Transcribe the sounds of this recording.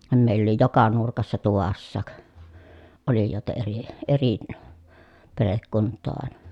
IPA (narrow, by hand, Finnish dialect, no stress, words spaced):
meˑilː oli jokɑ nurkɑsːɑ tuʋɑsːɑːk olijoˑetɑ eri eri perekːuntˑoː ɑˑenɑ